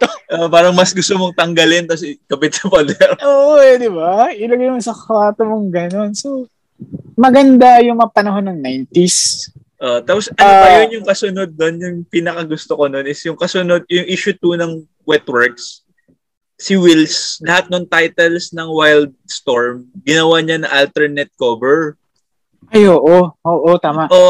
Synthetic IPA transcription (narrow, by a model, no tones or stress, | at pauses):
t̪ʔoʔpaːɾɐŋmɐsɡʊst̪omoŋt̪ɐŋɡɐlɪnk̪ɐs̬ɛɡɐbɪt̪̚sɐpɐd̪ɛɾʔoʔod̪ɪbaɪlɐɡajmosɐkwaːt̪omoŋɡɐno̞nso | mɐɡɐnd̪ajʊŋmɐŋɐpɐnɐɦo̞nːɐŋnajnt̪is | ʔoʔt̪aːposɐopɐjonjʊŋkɐsʊno̞d̪̚ːo̞njʊŋpinɐkɐɡʊst̪okononɪsjʊŋkɐsʊno̞d̪̚jʊŋʔiʃʊt̪unɐŋ | wɛt̪wɛɹks | sɪwilslɐhat̪̚noŋt̪ajt̪ɛlsnɐŋwajld̪̚st̪oɹmɡɪnɐwaɲanɐŋʔalt̪ɛɹnɛt̪̚koːbɛɹ | ʔɐjʔoːʔoʔoːʔot̪aːmɐʔʔo